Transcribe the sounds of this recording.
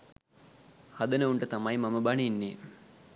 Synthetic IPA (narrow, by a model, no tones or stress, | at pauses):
hɐd̪ənəuɳʈət̪amajmɐməbɐninːe